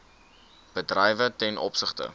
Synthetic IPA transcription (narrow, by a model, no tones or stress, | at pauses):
b̥ədrɛjvətɛnʔɔ̰psəχtə̰